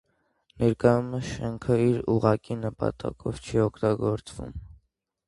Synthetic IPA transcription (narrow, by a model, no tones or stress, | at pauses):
nɛɾkɑjuməʃɛŋkʰəiɾuʁɑkinəpɑ̰t̪ɑ̰kʰɔvt͡ʃʰiɔkʰt̪ɑɡɔɾt͡svṵm